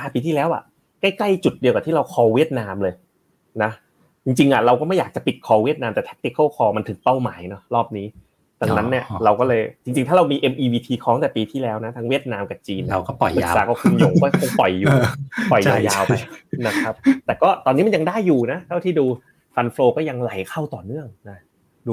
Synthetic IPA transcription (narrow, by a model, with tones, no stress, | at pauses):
ʔa˧˩piː˧t̪ʰiː˥˩lɛː˦˥wʔa̰˨˩ | kla˥˩jkla˥˩jt͡ɕu˨˩t̪̚di˧əka˨˩t̪ʰiː˥˩ɾa˧wkʰɔː˧wi˥˩ət̪̚naː˧mlɤː˧j | na˦˥ | t͡ɕi˧ŋt͡ɕi˧ŋʔa˨˩ɾa˧wkɔː˥˩ma˥˩jaː˨˩k̚t͡ɕa˨˩pi˨˩t̪̚kʰɔː˧wi˥˩ət̪̚naː˧mt̪ɛː˨˩t̪ʰe˦˥t̪i˨˩kʰːɔː˥˩kʰɔː˧ma˧nt̪ʰɯ˨˩˦ŋpa˥˩wmaː˩˦jnɔ˦˥ɾɔː˥˩p̚niː˦˥ | d̪a˧˩ŋna˦˥nːi˥˩ɐɾa˧wkɔː˥˩lɤː˧jt͡ɕi˧ŋt͡ɕi˧ŋt̪ʰa˥˩ɾa˧wmiː˧ʔe˧mʔiː˧wiː˧t̪ʰiː˧kʰɔː˦˥ŋt̪ɛː˨˩piː˧t̪ʰiː˥˩lɛː˦˥wna˦˥t̪ʰa˦˥ŋwi˥˩ət̪̚naː˧mka˨˩p̚t͡ɕiː˧na˦˧wkɔː˥˩pɔ˨˩ɯː˩˧saː˨˩˦ka˨˩kʰu˧njo˧˩ŋkɔː˥˩kʰo˧ŋpɔ̰˨˩jːuː˨˩˧pɔ˨˩jaː˧wjaː˧wa˧jna˦˥kʰa˦˥p̚t̪ɛː˨˩kɔː˥˩t̪ɔː˧niː˦˥ma˧nja˧ŋdaː˥˩jːuː˨˩na˦˥t̪ʰa˥˩wt̪ʰiː˥˩duː˧ | fa˧nfloː˧kɔː˥˩ja˧ŋla˨˦jkʰa˥˩wt̪ɔː˨˩nɯ˥˩əŋna˦˥ | u˧